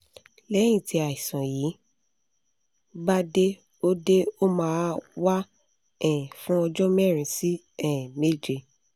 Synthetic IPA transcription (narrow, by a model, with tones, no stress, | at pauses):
lɛ˨˦j̃ĩ˦˨ti˧˦a˨i˨sã˨jiː˨˦ | ba˦de˦ | o˦de˦o˦mãː˨˦wa˦ | ɛ̃˦˨fũ˦ɔ˧d͡ʒɔ˦mɛ˦˨ɾ̃ĩ˨si˦ | ɛ˦˨me˦d͡ʒe˧˨